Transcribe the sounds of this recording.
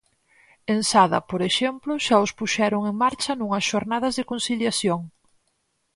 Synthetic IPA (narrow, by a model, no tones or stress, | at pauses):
ensaðɐpoɾeʃɛmplʊʃaʊspuʃɛɾʊŋeŋmaɾt͡ʃɐnuŋɐsʃoɾnað̞ɐzðekon̟siljaθjoŋ